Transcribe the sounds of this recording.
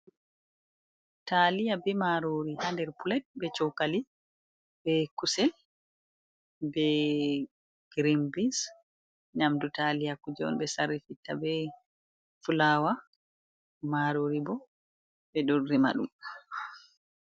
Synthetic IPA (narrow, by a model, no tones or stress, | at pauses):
talijabɛmaɾoːɾihandɛɾpulɛt̚bɛt͡ʃɔwkali | bɛkusɛ | bɛ | ɡ̥ɾimbis | ɲamdutalijakud͡ʒɔ̰nbɛsaɾifitːa̰bɛ | fulaːwa | maɾoːɾibɔ | bɛɗorːima̰ɗum